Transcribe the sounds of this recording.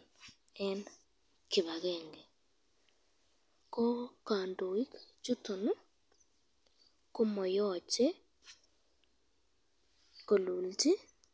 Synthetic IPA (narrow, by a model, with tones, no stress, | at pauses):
ɛ˦n | kɪ˨βa˨ɣɛŋɡɛ˨ | kɔ˦kaː˨ndo˨i˦kt͡ʃu˦to˨nu˦ | ko˦mɔ˨jɔ˦t͡ʃɛ˦ | ko˨lu˨lti˦